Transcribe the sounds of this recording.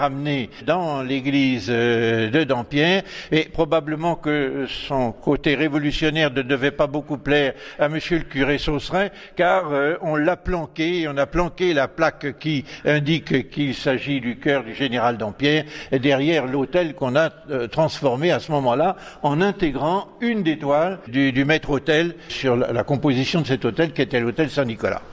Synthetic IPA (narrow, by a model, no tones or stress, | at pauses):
ʁamned̪ɑ̃leɡlizød̪əd̪ɑ̃pjɛːʁepχɔbabləmɑ̃kəsɔ̃kot̪eʁevɔlysjɔnɛʁnəd̪əvɛpabokuplɛːʁaməsjøləkyʁesosʁɛ̃ | kaʁøɔ̃laplɑ̃keɔ̃naplɑ̃kelaplakkʲiɛ̃d̪ikkilsaʒid̪ykœʁd̪yʒeneʁald̪ɑ̃pjɛːʁed̪ɛʁjɛʁlot̪ɛlkɔ̃nat̪χɑ̃sfɔʁmeasəmɔmɑ̃la | ɑ̃nɛ̃t̪eɡʁɑ̃ynd̪et̪wald̪yd̪ymɛt̪χot̪ɛlsyʁlla̰kɔ̃pozisjɔ̃d̪əsɛt̪ot̪ɛlkʲiet̪ɛlot̪ɛlsɛ̃nikɔla̰